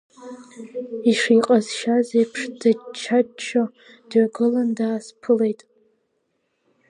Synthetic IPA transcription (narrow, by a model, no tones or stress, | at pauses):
iʂiːqʼazʃazejpʰʂdat͡ʃʰat͡ʃʰːo | d̥ɥaɡɨlandaːspʰɨle̞jtʼ